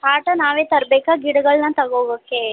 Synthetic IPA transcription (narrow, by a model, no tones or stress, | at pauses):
haːʈɐnaːʋeːt̪ɐɾbɛːkaːɡiɽɐɡɐɭnɐt̪ɐɡoːɡokːe